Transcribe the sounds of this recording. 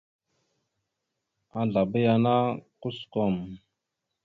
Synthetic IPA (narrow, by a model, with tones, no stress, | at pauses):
a˨ɮa˨bə˦ja˦na˦ku˦sko˨m